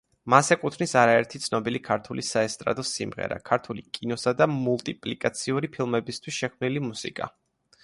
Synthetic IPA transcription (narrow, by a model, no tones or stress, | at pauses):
masɛkʼut̪ʰnisaɾaɛɾt̪ʰit̪sʰnɔbilikʰaɾt̪ʰulisaɛst̪ʼɾa̰d̪ɔsimʁɛ̰ɾa̰kʰaɾt̪ʰulikʼinɔsad̪amulˠt̪ʼipʼlikʼat̪sʰiuɾipʰilˠmɛbist̪ʰwisʃɛkʰmnilimusḭkʼa̰